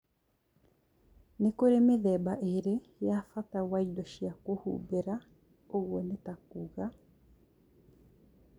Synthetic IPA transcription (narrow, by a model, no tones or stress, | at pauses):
nekoɾemeðɛbaʔeɾe | jafatawaidɔʃiakohṵbeɾa | oɣwɔnetakuɣa